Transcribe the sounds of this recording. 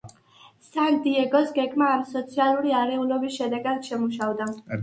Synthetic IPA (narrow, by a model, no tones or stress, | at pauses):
sand̪iɛɡɔsɡɛɡmaːmsɔt̪sʰialˠuɾiaɾɛulˠɔbisʃɛd̪ɛɡad̪ʃɛmuʃavd̪a